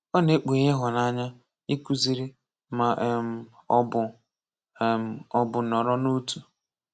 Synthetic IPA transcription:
ɔ˦ne˦k͡pu˨ɣe˦ɦʊ˨na˦ɲa˦ | i˦ku˦zi˦ɾi˦ | ma˨ʔm˦bʊ˨ | m̩˨ɔ˦bʊ˨nɔ˨ɾɔ˦no˦tu˨

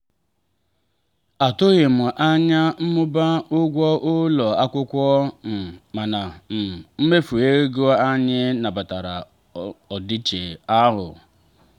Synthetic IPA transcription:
a˨tʊ˦ɣɪ˨mʊ˨ʔa˦ɲa˦m̩˦mʊ˦ba˦ʊ˦ɡʷɔ˦ʔʊ˦lɔ˨a˦kʷʊ˦kʷɔ˦m̩˨ma˨na˨m̩˨m̩˦me˦fu˨e˦ɡo˦a˦ɲɪ˦na˨ba˨ta˨ɾa̰˨ | ɔ˨di˦t͡ʃe˨a˦ɾʊ̰˨

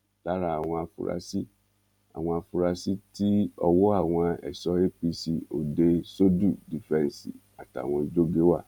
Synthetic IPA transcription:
la˨˦ɾa˧˦a˨w̃ɔ̃˧a˧fṵ˧ɾa̰˧˦si˦ | a̰˨w̃ɔ̃˧a˧fu˧ɾa˧si˦ti˦ɔ˧wo˦a˦˨w̃ɔ̃˧ɛ̰˨sɔ˧˦e˦pi˧si˨o˨de˧so˦du˦˨di˨fɾɛ̃˨˦n˨sḭ˨ | a˨ta̰˨w̃ɔ̃˧d͡ʒo˦ɡe˦wa̰˦˨

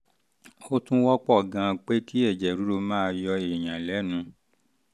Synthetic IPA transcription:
o˦tũ˦wɔ˦k͡pɔ˦˨ɡã˨˧k͡pe˦ki˦ɛ˦˨d͡ʒɛ˨ɾu˨˦ɾo˧mãː˦˧jɔ˧e˨j̃ã˨lɛ˨˦nũ˧

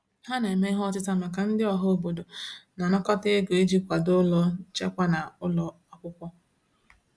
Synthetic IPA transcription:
ɦa˦ne˨e˨me˦ɦɔ˦tɪ˦ta˦ma˨ka˨n̩˦dɪ˦ɔ˨ɦɔ˦o˦˨bo˨do˨na˨nɔ˦kɔ˦te˦e˦ɡo˨e˦d͡ʒi˦˨kʷa˨dʊ˦lɔ˦t͡ʃe˦kʷa˦na˨ʊ˦lɔ˦a˦kʷʊ˦kʷɔ˦

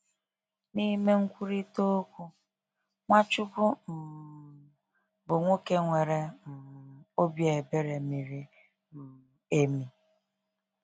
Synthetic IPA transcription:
niː˦me˦ŋ̩˦kʷu˦ɾi˦to˦kʷu˦ | ŋʷa˦t͡ʃʊ˦bʊ˦n̩˨ | bʊ˨ŋʷo˦ke˦ŋʷe˨ɾe˨n̩˨o˦bje˨be˦ɾe˨mi˨ɾi˦ | n̩˨e˦mi˨

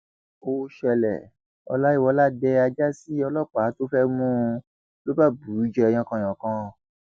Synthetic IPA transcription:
o˧˨ʃɛ˧lɛ̰˨ | ɔ̰˧la˦i˦˨wɔ˧la˦dɛ˧˦a˧d͡ʒa˦si˦ɔ˧lɔ˦˨k͡pa˨˦to˦fɛ˦mũ˦˧ | lo˦ba˦˨bu˨ɾu˦d͡ʒɛ˧j̃ɔ̃˧kã˧˨j̃ã˨kã˧˦˨

